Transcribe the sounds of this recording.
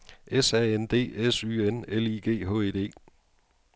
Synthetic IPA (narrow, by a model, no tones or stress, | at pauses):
esɛːend̥e̝̰ːesy̰ːeneliɡ̥e̝̰ːɦɔ̰̽eːd̥e̝̰ː